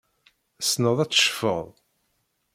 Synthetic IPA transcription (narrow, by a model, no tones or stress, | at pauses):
əsnəðˤæt͡sːʃfə̰ðˤ